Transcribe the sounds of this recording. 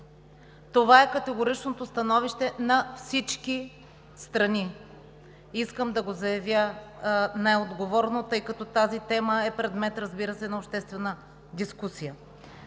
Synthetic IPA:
t̪ovaɛkɐt̪ɛɡoɾit͡ʃnot̪ost̪ɐnɔviʃt̪ɛnɐfsit͡ʃki | st̪ɾɐni | iskəmd̪ɐɡozɐjɐvjə | najod̪ɡovɔɾnot̪ɤjkɐt̪ɔt̪azit̪ɛməɛpɾɛd̪mɛt̪ɾɐzbiɾəsɛnɐopʃt̪ɛst̪vɛnə | d̪iskusijə

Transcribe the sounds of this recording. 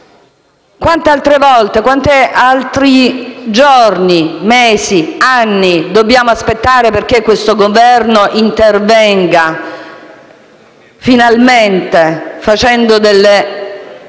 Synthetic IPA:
kwant̪ealt̪ɾevɔlt̪ekwant̪ealt̪ɾid͡ʒornimeːsianːid̪objaːmoaspet̪ːaːɾeperk̟ekːwest̪oɡovɛrnoʔint̪ervɛŋɡa | finalment̪efat͡ʃɛnd̪od̪elːe

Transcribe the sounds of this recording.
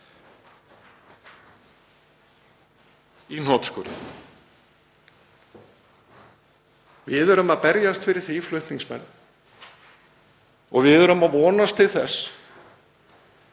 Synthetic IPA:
inɔt̪skɔɾ̰ | vɪðœɾʏmaðpɛɾjast̪fɪɾɪɾ̥θiflʏht̪niŋsmɛ̰nː | ɔɣvɪðœɾʏmavɔːnast̪ʰɪlθɛs

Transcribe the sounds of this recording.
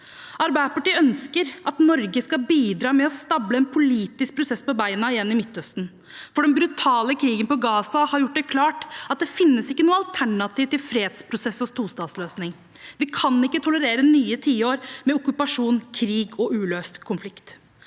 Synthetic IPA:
ʔɑɾbæɪd̪əpɑʈiːəœnskəɾʔɑt̪nɔɾɡəskɑbiːd̪ɾɑːmɛɔst̪ɑbləɛnpʰʊliːt̪ɪsk̚pʰɾʊsɛsːpɔbæɪnɑɪjɛnːɪmɪt̪ːœst̪n̩ | fɔɖɛmbɾʉt̪ʰɑːləkʰɾiːɡənpɔɡɑːsɑhɑɾjʊʈːd̪ɛkʰlɑːʈɑt̪̚d̪ɛfɪnːəsɪkːənuːəɑlt̪ʰæɳɑt̪iːʋt̪ɪlfɾeːd̪spʰɾʊsɛsɔst̪ʰuːst̪ɑːt̪sløːsnɪŋ | ʋɪkʰɑnɪkːət̪ʰʊləɾeːɾənyːət̪ʰiːoːɾmɛʊkʉpɑʂuːnkʰɾiːɡɔʔʉːløːst̪kʰʊnflɪkt̪

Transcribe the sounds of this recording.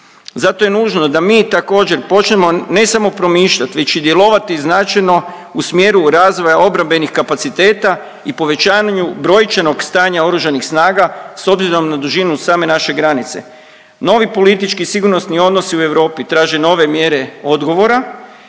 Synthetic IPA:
zat̪o̞jenuːʒno̞d̪amiːt̪ako̞ːd͡ʑe̞ɾpo̞t͡ʃnemo̞ne̞samo̞pɾo̞miːʃʎat̪ʋe̞t͡ʃid̪je̞lˠo̞ʋat̪iznat͡ʃajno̞ | usmje̞ːɾuɾazʋo̞jao̞bɾambe̞nixkapat̪sit̪e̞ːt̪a | ipo̞ʋe̞t͡ʃaːɲubɾo̞jt͡ʃeno̞ɡst̪aːɲao̞ɾuʒanixsnaːɡaso̞bziɾo̞mnad̪uʒinusaːme̞naʃe̞ɡɾanit̪se̞̰ | no̞ʋipo̞lit̪it͡ʃkisiɡuɾno̞snio̞d̪no̞siue̞ʋɾo̞ːpit̪ɾaːʒeno̞ːʋe̞mje̞ːɾe̞o̞d̪ɡo̞ʋo̞ɾa

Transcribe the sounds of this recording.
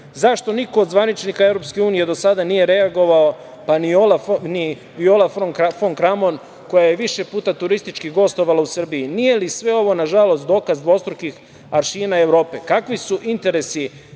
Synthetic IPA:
zaʃt̪o̞niko̞ːd̪zʋanit͡ʃnikae̞ʋɾo̞pske̞uːnije̞d̪o̞sad̪anije̞ɾe̞aɡo̞ʋao | paniolani | ʋiolafoŋkfoŋkɾamo̞n | ko̞jaje̞ʋiʃe̞puːt̪at̪uɾist̪it͡ʃkiɡo̞st̪o̞ʋalausr̩biinije̞lisʋe̞o̞ʋo̞naʒalo̞st̪d̪o̞ːkazd̪ʋo̞st̪ɾukix | aɾʃiːnaeʋɾo̞ːpe̞kakʋisuʔint̪e̞ɾe̞si

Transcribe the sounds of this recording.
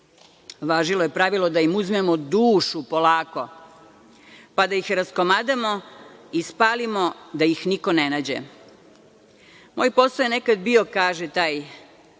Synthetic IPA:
ʋaːʒilojepɾaʋilˠo̞d̪aimuzmemod̪uːʃupo̞laːko̞ | pad̪aixɾasko̞maːd̪amo̞ispaːlimo̞d̪ajixniko̞nenaːd͡ʑḛ | mo̞ːjpo̞sajene̞kad̪bio̞kaːʒet̪aːj

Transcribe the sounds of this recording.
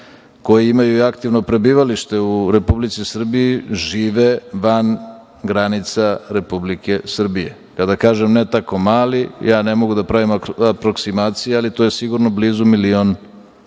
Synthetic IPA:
ko̞jiimajuiakt̪iʋno̞pɾe̞biːʋaliʃt̪e̞uɾe̞publit̪sisr̩bijiʒiːʋeʋan | ɡɾanit̪saɾe̞publike̞sr̩bije̞̰ | kad̪akaːʒemnet̪ako̞maːlijaːne̞mo̞ɡud̪apɾaʋimaapɾo̞ksimaːt̪sijealit̪oje̞siɡuɾno̞bliːzumilion

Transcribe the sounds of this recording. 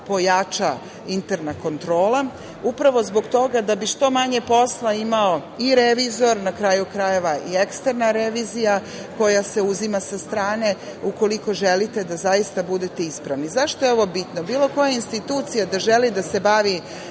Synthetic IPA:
po̞jat͡ʃa | int̪e̞ɾnako̞nt̪ɾo̞ːlˠa | upɾaʋo̞zbo̞ɡt̪o̞ɡad̪abiʃt̪o̞maɲe̞po̞slˠaimaoiɾeʋizo̞ɾnakɾajukɾaje̞ʋaʔie̞kst̪eɾnaɾe̞ʋizija | ko̞jase̞uzimasast̪ɾaːne̞uko̞liko̞ʒelit̪e̞d̪azajist̪abud̪e̞t̪e̞ispɾaʋnizaʃt̪o̞jeo̞ʋo̞bit̪nobiːlˠo̞ko̞jainst̪it̪uːt̪sijad̪aʒe̞lid̪ase̞baʋi

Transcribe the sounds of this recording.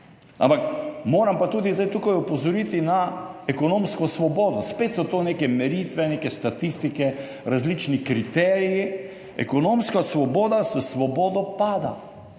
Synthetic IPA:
a̰mpakmoːɾampat̪uːd̪izd̪ajt̪uːkajupɔzɔɾiːt̪inaɛkɔnõːmskɔsʋɔboːd̪ɔspeːt̪sɔt̪oːneːkɛmɛɾit̪ʋɛneːkɛst̪at̪ist̪ikɛ | ɾazlit͡ʃnikɾit̪ɛːɾiji | ɛ̰kɔnoːmskasʋɔboːd̪asəsʋɔboːd̪ɔpaːd̪a̰

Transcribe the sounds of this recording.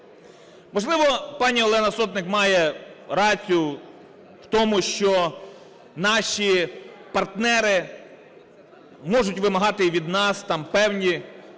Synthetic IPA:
mɔʒlˠɪʋɔpɑnʲiɔlˠɛnɐsɔt̪nɪkmɑjɛɾɑt͡sʲijʊ | wt̪ɔmʊʃt͡ʃɔ | nɑʃʲipɐrt̪nɛɾɪ | mɔʐʊtʲʋɪmɐɦɑt̪ɪʋʲid̪nɑst̪ɑmpɛwnʲi

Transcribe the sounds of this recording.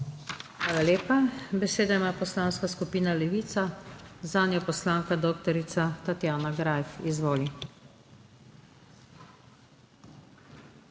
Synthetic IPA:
xʋaːlaleːpabɛseːd̪ajmapɔslaːnskaskupiːnalɛʋiːt̪sazaːnjɔpɔslaːŋkad̪oːkt̪ɔɾit̪sat̪at̪jaːnaɡɾaːjfizʋoːli

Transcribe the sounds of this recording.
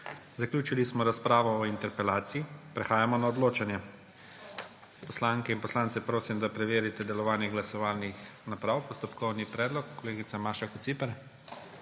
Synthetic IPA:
zaklʲjuːt͡ʃilismɔɾaspɾaːʋɔːint̪ɛɾpɛlaːt̪siipɾɛxaːjamɔnaɔd̪loːt͡ʃanjɛ | pɔslaŋkɛinpɔslaːnt̪sɛpɾoːsimd̪apɾɛʋeːɾit̪ɛd̪ɛlɔʋaːniɣɡlasɔʋaːlnixnapɾaːwpɔst̪ɔpkɔwnipɾɛːd̪lɔkːɔleːɡit̪samaːʃakɔt̪sipɛɾ

